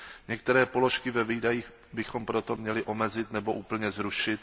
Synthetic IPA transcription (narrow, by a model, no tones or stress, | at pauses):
ɲɛk̚t̪ɛɾɛːpo̞lo̞ʃkɪvɛviːdajiːx | bɪxo̞mpɾo̞t̪o̞mɲɛlɪʔo̞mɛzɪt̪nɛbo̞ʔuːpl̩ɲɛzɾuʃɪt̪